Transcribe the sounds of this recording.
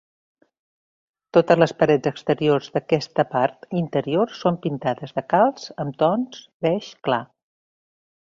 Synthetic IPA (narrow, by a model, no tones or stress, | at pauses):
t̪ot̪əzləspəɾɛd͡zəkst̪əɾiorzðəkɛst̪əpaɾt̪int̪əɾiorsːompint̪aðəzðəkalˠz̥əmt̪ɔns | bɛʃkla